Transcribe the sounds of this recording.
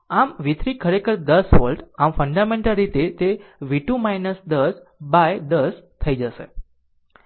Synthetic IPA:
amʋit̪ʰɾikʰəɾekəɾd̪əsʋəlɖamfəɳɖamẽɳʈəlɾit̪et̪eʋiʈumajnəsd̪əs | baed̪əst̪ʰəid͡ʒəʃḛ

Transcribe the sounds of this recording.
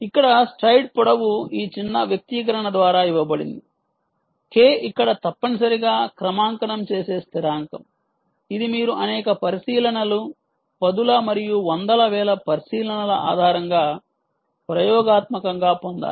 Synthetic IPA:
ikːɐɽɐsʈɾɐjʈ̚pɔɽɐwuiːt͡ʃinːɐʋjɐk̚t̪iːk̬ɐɾɐɳɐd̪ʋaːɾaːiʋːɐbɐɽḭnd̪i | keːikːɐɽɐt̪ɐpːɐnis̬ɐɾiɡaːkɾɐmaːŋkɐnɐmt͡ʃeːse̞ːst̪ʰiɾaːŋkɐ̰m | id̪imiːɾuʔɐnɛːkɐpɐɾisiːlɐnɐlu | pɐd̪ulɐmɐɾijuʋɐnd̪ɐlɐʋɛːlɐpɐɾisiːlɐnɐlɐa̰ːd̪ʱaːɾɐŋɡaː | pɾɐjɔːɡaːt̪mɐkɐŋɡaːpond̪a̰ː

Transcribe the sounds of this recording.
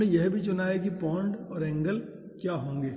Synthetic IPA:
ẽjɛɦbʱit͡ʃʊnaːekipɔ̃ːɳɖɔːɾɛ̃ːŋɡəl | kjaːɦõːŋɡeː

